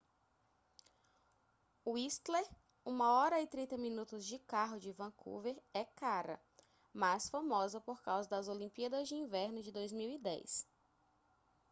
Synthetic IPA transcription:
uist̪leɾ | ũmɐɔɾɐɪt̪ɾĩnt̪ɐmĩnut̪ʊzd͡ʒɪkaɦʊd͡ʒɪvɐ̃kʰṵveɾɛkaɾɐ̰ | masfamɔzɐpoɾkawzɐd̪ɐzolĩpiɐd̪ɐzd͡ʒɪĩvɛɾnʊd͡ʒɪd̪ojzmiwid̪ɛ̰js

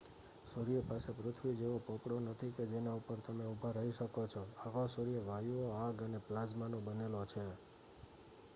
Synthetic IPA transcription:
soɾijəpasepɾʊt̪ʰʋid͡ʒeʋopɔpɽonət̪ʰiked͡ʒenaupəɾt̪əmeubʱaɾəɦiʃəkot͡ʃʰoakʰosoɾijəʋajuoaɡəneplad͡ʒmanõbənelot͡ʃʰe

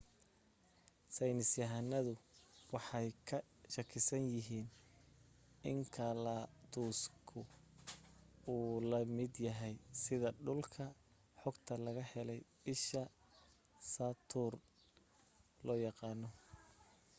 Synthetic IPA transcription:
sɛjnɪsjɐɦɐnɐðʊwɑħɑjkʰɐ | ʃɐkʰɪsɐnjɪɦiːn | ɪŋkʰɐlat̪ʰuːskʰʊ | uːlɐmɪd̪jɐɦɛjsɪðɐɖʊlkʰɐ | ħɔɡt̪ʰɐlɐɣɐhɛlɛj | ɪʃɐ | saːt̪ʰuːr | lɔːjɑqɑːnɔ

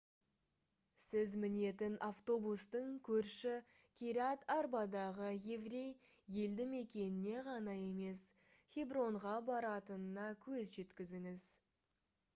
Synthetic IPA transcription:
sɪzmɪne̞t̪ɪnʔaft̪o̞bust̪əɴkʲʰɵɾʃɪ | kʲʰiɾɑt̪arbɑd̪ɑʁəje̞vrʲe̞j | je̞ld̪ɪme̞kʲe̞nɪne̞ʁɑnɑje̞me̞s | χʲibro̞ɴʁɑbɑɾɑt̪ənənɑkʲʰɵzʒe̞t̪kʲɪzɪŋɪz̥

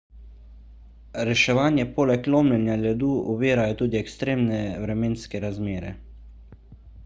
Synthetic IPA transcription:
ɾɛʃɛʋaːnjɛpoːlɛkloːmlɛnjalɛd̪uːʔɔʋeːɾajɔt̪uːd̪iɛkst̪ɾeːmnɛʋɾɛmeːnskɛɾazmeːɾɛ̰

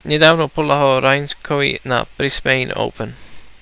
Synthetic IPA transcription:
nɪdawnɔpʰʊlˠaɦɔɾajnskʰɔwḭna̰b̥ɾɪsmejno̰wpʰən

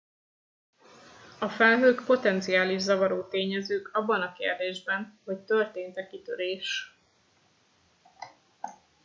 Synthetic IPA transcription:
ɒfɛlɦøːkpo̞t̪ɛnt̪sijaːliʒzɒvɒɾoːt̪eːɲɛzøːkɒbːɒnɒkḛːrd̪eːʒbɛnho̞ct̪ø̞rt̪eːnt̪ɛkit̪øɾeːʃ

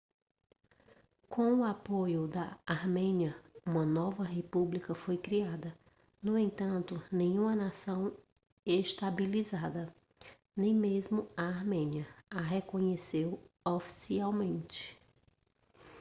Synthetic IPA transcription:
kʰõw̃ʊapojʊd̪ɐaɾmẽɲiɐũmɐnɔvɐɦepublikɐfojkɾiad̪ɐ | nʊẽnt̪ɐ̃nt̪ʊnẽɲũmɐnasɐ̃w̃ | eʃt̪abilizad̪ɐ | nẽj̃mezmʊaːɾmẽɲiɐaɦekõɲesew | ofi̥siawmẽnt͡ʃɪ̥

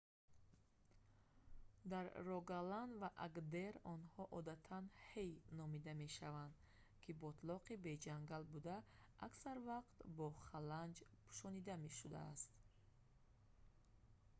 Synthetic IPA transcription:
d̪aɾːɔɡaland̪vaʔaɡd̪eɾɔnhɔʔɔd̪at̪ʰanhejnɔmid̪ame̞ʃavand̪ | kʰibɔt̪ʰlɔqibed͡ʒaŋɡalbud̪aːksaɾvaqt̪bɔχaland͡ʒpʰu̥ʃɔnid̪ame̞ʃud̪a̰ːst̪

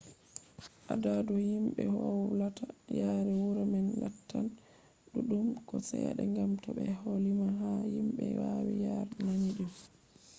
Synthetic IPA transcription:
ʔadaduhimɓɛhɔwlatajaːɾɛwuɾamɛnlatʰːan | ɗuɗumkɔsɛja̰ɗɛŋɡamtɔɓɛholimaɦahimɓɛwawijaɾnaɲiɗum

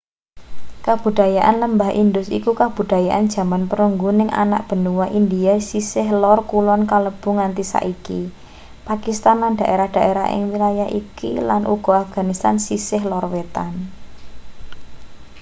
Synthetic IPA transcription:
kab̥ṳd̪̥a̤jaʔanləmbaɦʔind̪ʊsḭkukab̥ṳd̪̥a̤jaʔand̥ʒ̥ä̤manpəɾuŋɡunɪŋʔa̰na̰ʔ̚b̥ə̤nuwaʔind̪iasisɪɦlɔrkulɔnkaləb̥ṳŋant̪isa̰ʔiki | pakist̪anland̥a̤ʔeɾahd̥a̤ʔeɾa̰ɪ̰ŋwilajaɦikḭlanʔṵɡ̥ɔ̤afɡ̥a̤nist̪ansisɪɦlɔrwet̪an

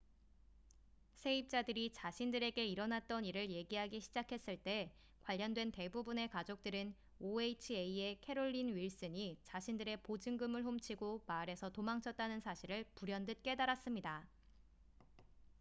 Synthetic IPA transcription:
sʰe̞ip̚t͡ɕ͈adɯɾit͡ɕaɕʰindɯɾe̞ɡe̞iɾʌnat̚t͈ʌniɾɯɭje̞ɡiɦaɡiɕʰid͡ʑakʰe̞s͈ɯɭt͈e̞ | kwaʎːʌndwe̞nte̞bubune̞kad͡ʑok̚t͈ɯɾɯn | oeit͡ɕʰieie̞kʰe̞ɾoʎːinɥiɭs͈ɯɲit͡ɕaɕʰindɯɾe̞pod͡ʑɯŋɡɯmɯɭɦomt͡ɕʰiɡomaɾe̞sʰʌtomaŋt͡ɕʰʌt̚t͈anɯnsʰaɕʰiɾɯɭpuɾjʌndɯt̚k͈e̞daɾas͈ɯmɲida

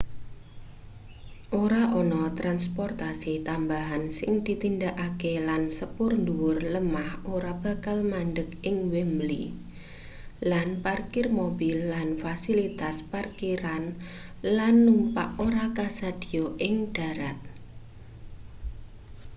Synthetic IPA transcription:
ʔoɾaʔɔnɔt̪ɾanspɔrt̪asit̪ambaɦansɪŋd̪̥i̤t̪ind̪aʔakelansəpʊrnd̪uwʊrləmahoɾab̥a̤kalmandəkɪŋwɛmbli | lanparkɪrmobilːanfasilit̪asparkiɾanlanːumpa̰ʔoɾakasad̪̥i̤joʔɪŋd̥a̤ɾat̪̚

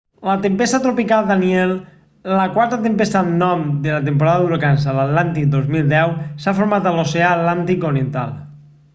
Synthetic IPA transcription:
lat̪empest̪at̪ɾopikalˠd̪aniɛlː | akwaɾt̪at̪empest̪annːɔmd̪elat̪empoɾaðaðuɾkansalat̪lant̪id̪ozmilˠd̪ɛwsafoɾmat̪aloseaːt̪lant̪ikoɾient̪a̰l

